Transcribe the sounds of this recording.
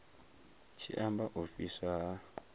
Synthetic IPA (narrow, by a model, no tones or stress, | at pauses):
t͡ʃʰiʔambaʔufisa